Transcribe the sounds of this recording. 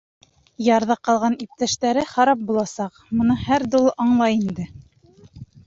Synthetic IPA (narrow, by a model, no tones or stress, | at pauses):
jɑɾðɑqɑlˠʁɑnip̚t̪æʃt̪æɾɘχɑɾɑp̚bulˠɑsɑqmŏnɤhæɾd̪ulˠɤʔɑɴlˠɑjind̪ɘ